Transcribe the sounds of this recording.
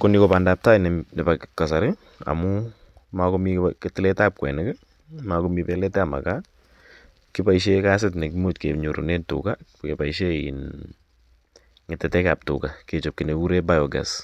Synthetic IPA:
konikopandaːp̚tainɛnepakkasaɾɪ | a̰mʊ | makomiketɪlɛtap̚kwɛ̰nɪkɛ | makomipɛlɛtɛama̰ka | kɪpaiʃ̬ekas̬ɪt̬nekimotkeɲuɾo̰nentʊ̰ka | kepaiʃeḭn | ŋɪtɛtɛkaːp̚tʊ̰kaket͡ʃop̚kineuɾebajɔɡa̰s

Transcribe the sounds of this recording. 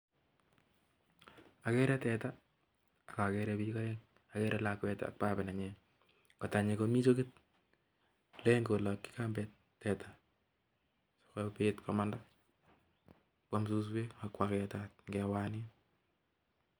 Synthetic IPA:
akɛɾɛtɛta | akakɛɾɛbikɔjɛŋ | akɛɾʔɛlakwɛta̰k̚pabɪnaɲɛ | kataɲekomit͡ʃokɪt̚ | lɛŋɡolakːi̥kambɛt | tːɛtḁ | so̥kɛpetkɔmanda | kamsus̬weakwakɛtat̚ŋɡɛwani

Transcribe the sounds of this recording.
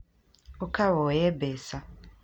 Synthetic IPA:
okʰawɔːjɛbɛsa

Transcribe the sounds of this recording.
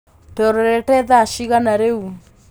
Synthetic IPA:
tɛɔɾɛɾɛtɛðaʃiɣanaɾeu

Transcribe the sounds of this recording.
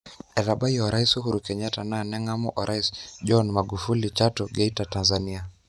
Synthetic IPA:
ɛɾaɓajɔɾaisuɦuɾukɛɲatananɛŋamɔʔɔɾʔaisd͡ʒɔnmaɡufulit͡ʃatɔɡɛitatanzania

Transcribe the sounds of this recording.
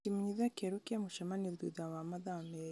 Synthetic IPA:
kimuɲiðakɛɾukamuʃamanidḭðawamaðamɛ

